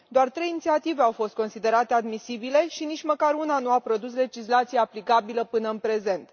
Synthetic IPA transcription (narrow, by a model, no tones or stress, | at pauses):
d̪oart̪ɾe̞jinit̪siat̪iveawfo̞st̪̚ko̞nsid̪e̞ɾat̪e̞ad̪misibile̞ʃinit͡ʃməkaɾunanuapɾo̞d̪usle̞d͡ʒislat̪sijaːplikabiləpɨnəɨnpɾe̞ze̞nt̪